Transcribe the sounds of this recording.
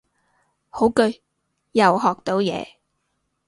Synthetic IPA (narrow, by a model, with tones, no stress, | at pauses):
ho˨˥wkɵ˧ɥ | jɐ˨wɦɔː˨k̚t̪o˨˥wjɛ̰ː˨˧